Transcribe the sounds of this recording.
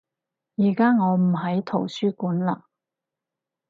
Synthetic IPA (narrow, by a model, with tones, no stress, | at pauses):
jiː˨˩kaː˥ŋɔː˨˧m̩˨˩ɦɐ˨˥jt̪ʰo˨˩wsyː˥kuː˨˥nla̰ː˨